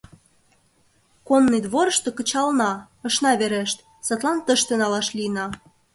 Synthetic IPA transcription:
konːid̪βoɾəʃt̪okə̆t͡ɕɑlnɑ | ə̆ʃnɑβeɾeʃt̪̚ | sɑt̪lɑnt̪əʃt̪enɑlɑʃlinɑ

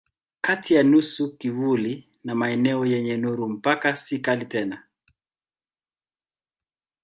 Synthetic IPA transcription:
katijanusukivuli | namaɛnɛɔjɛɲɛnuɾum̩pakasikalitɛna

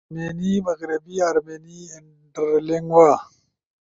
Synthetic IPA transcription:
meːnimɐɣɾibiaɾmeːniɪɳ | ʈəɾliŋɡwaː

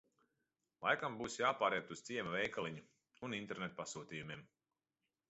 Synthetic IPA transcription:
lˠa̰jkambuːsjaːpaːɾiɛt̪uz̥t̪siɛmɐvɛjkalˠiɲu | unint̪ɛɾnet̪ːpasuːt̪iːjumʲiɛm

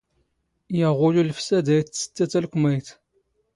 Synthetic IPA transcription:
jəʁʊlulfsæd̪æjtsə̥t͡sːæt͡sːælkʷmæjt̪

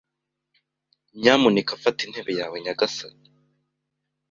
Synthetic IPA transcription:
ɲamunikafatin̥he̞βe̞jaːweɲaɡasa

